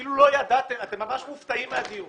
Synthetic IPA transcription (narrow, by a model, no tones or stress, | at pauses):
ilulo̞jad̪at̪e̞mat̪e̞mːamaʃmuft̪aimadi